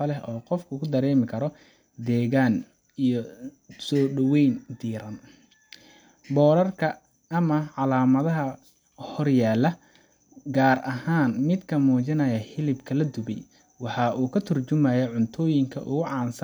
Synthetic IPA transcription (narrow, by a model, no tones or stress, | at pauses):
ɐlɛɦɔːqɔfkʰʊkʰʊd̪ɐɾɛːmɪkʰɐɾɔ | d̪ɛːɣaːn | ijɔ | sɔːɖɐwɛjnd̪iːɾɐn | bɔːɾɐrkʰɐː | mɐʕɑlaːmɐðɐɦɐ | hɔrjaːlːɐ | ɡaːrʔɐɦaːnmɪd̪kʰɐmuːt͡ʃɪnɐjɐhɪlɪbkʰɐlɐd̪ʊbɛj | wɑħɑʔuːkʰɐt̪ʰʊrt͡ʃʊmɐjɐʕʊnt̪ʰɔːjɪŋkʰɐ̰ʔʊɣʊʕɑːns